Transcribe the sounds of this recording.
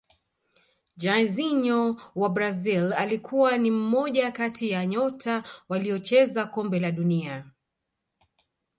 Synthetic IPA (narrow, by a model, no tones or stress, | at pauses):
d͡ʒaziɲɔwabɾazilalikʰuwanim̩mɔʄakatʰijaɲɔtʰawaliɔt͡ʃɛzakɔmbɛlaɗunia